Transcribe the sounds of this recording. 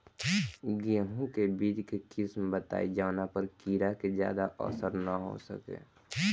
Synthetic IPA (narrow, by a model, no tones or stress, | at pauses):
ɡijə̃ɦũkebiːd̪kekɪsmbət̪a̰ːid͡ʒaːnapəɾkiːɾakezja̰ːd̪aʔɔ̰səɾnaɦo̰sə̰kḛː